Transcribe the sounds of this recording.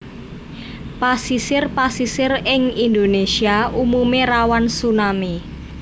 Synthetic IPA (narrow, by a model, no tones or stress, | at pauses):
pasisɪrpasisɪrɪŋind̪onesiaumumerawansunami